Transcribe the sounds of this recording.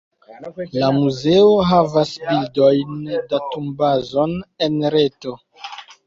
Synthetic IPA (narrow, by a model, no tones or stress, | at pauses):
lamuze̞oɦavasbildo̞jndatumbazo̞ne̞nɾeto̞